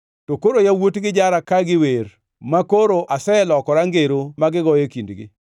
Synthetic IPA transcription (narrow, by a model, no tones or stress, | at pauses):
tokoɾojawotɡɪd͡ʒaɾakaɡɪwer | makoɾoʔasɛɛlɔkɔɾaŋɡeɾomaɡɪɡɔjekindɡɪ̰